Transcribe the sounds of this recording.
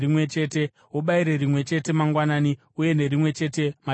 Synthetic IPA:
imwe̞t͡ʃe̞ːte̞ | woɓaiɾe̞rimwe̞t͡ʃe̞te̞maŋɡwanaːni | uje̞ne̞ɾimwe̞t͡ʃe̞te̞ma

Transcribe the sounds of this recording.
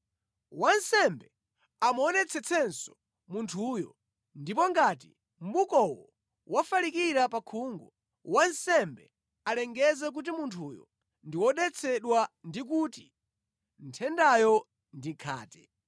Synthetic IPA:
wansɛmbɛ | amɔnɛt͡sʰɛt͡sʰɛnsɔ̥ | muntʰujɔ̰ | ndipɔŋɡati | m̩ɓukɔwɔ̰ | wafalikiɾapakʰuːŋɡɔ | wansɛmbɛ | alɛŋɡɛzɛk̬ut̬imuntʰujɔ̰ | ndiwɔɗɛt͡sʰɛɗwandik̬uti | n̩tʰɛndajɔ | ndikʰa̰ːtɛ

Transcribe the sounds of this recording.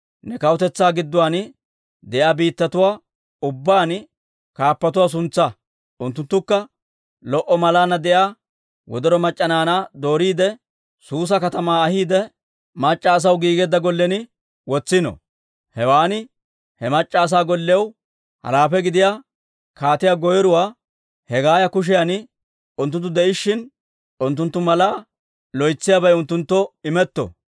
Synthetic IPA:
nɛkɐwɔt̪ɛt͡sːaːɡɪd̪ːʊwaːn | d̪ɛʔaːbiːt̪ːɐt̪ʊwaː | ʊbːaːn | kaːpːɐt̪ʊwaːs̬ʊnt͡sːɐ | ʔʊnt̪ːʊnt̪ːʊkːɐ | lɔʔɔmɐlaːnɐd̪ɛjaː | wɔ̰d̪ɔɾɔmɐt͡ʃʼːɐnaːnad̪o̞ːɾiːd̪ɛ | suːs̬ɐkɐt̪ɐmaːɐhiːd̪ɛ | mɐt͡ʃʼːɐːs̬ɐwɡiːɡɛd̪ːɐɡɔlːɛnɪ | wɔt͡sːɪnɔ̰ | hɛwaːnɪ | hɛmɐt͡ʃʼːaːs̬aːɡɔlːɪjɐw | hɐ̰ɾaːfɛɡɪd̪ɪjaː | kaːt̪ɪjaɡɔjɔɾʊwaː | hɛɡaːjɐkʊʃ̬ɪjanɪ | ʊnt̪ːʊnt̪ːʊd̪ɛʔɪʃːɪn | ʊnt̪ːʊnt̪ːʊmɐlaː | lɔjt͡sːɪjabɐjʊnt̪ːʊnt̪ːɔɪmɛt̪ːɔ̰

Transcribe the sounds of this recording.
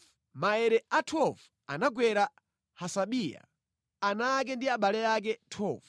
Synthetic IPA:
maɛɾɛatʰɔvu | a̰naɡwɛɾa | hasaɓija̰ | anak̬ɛndiaɓalɛak̬ɛtʰɔv

